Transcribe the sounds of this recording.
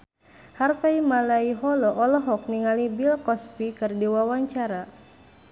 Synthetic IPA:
harfaimalaiɦɔlɔʔɔlɔɦɔk̚niŋalibilkɔspikɨrdiwawaɲt͡ʃaɾa

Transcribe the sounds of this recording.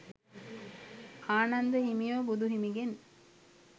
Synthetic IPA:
aːnɐnd̪əɦimijoːbud̪uɦimiɡen

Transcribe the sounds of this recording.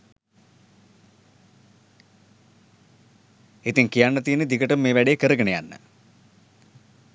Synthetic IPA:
et̪iŋkijanːɐt̪iːnəd̪ikəʈɐmːeːʋæɖejekəɾəɡəɳejanːə̰

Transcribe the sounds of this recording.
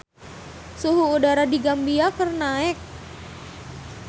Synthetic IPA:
suɦuːdaɾadiɡambiakərnaɛk̚

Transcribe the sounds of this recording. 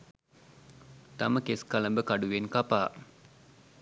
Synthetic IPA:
t̪aməkeskaləmbəkaɖuʋenkapaː

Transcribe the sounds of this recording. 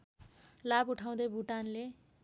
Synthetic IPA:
labuʈʰaw̃d̪ʌjbʱuʈanle

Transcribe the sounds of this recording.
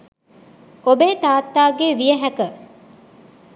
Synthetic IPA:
obeːt̪aːt̪ːaːɡeːʋijəɦækə

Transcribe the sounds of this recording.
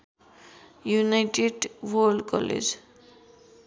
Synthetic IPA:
junajʈeɖwoɾɖkɔ̰lḛd͡ʑ

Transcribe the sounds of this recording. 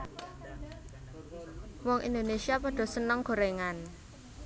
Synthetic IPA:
wɔŋʔḭnd̪onesiapɔɖ̥ɔ̤sənəŋɡ̥o̤ɾeŋan

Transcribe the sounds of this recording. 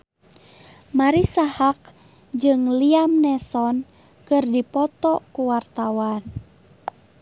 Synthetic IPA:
maɾisahak̚ | d͡ʒɨŋliamnɛsɔn | kɨrdipɔt̪ɔkuwart̪awan

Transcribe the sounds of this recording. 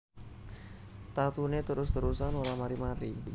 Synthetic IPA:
t̪at̪unet̪əɾʊst̪əɾusanolamaɾimaɾi

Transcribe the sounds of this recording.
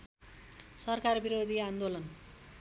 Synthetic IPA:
sʌrkarbiɾod̪ʱiand̪olʌn

